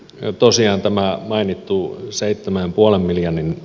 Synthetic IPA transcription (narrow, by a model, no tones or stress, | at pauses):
t̪osiɑːnt̪æmæmɑinit̪ːuseit̪ːemæmpuɑlemmiljɑnin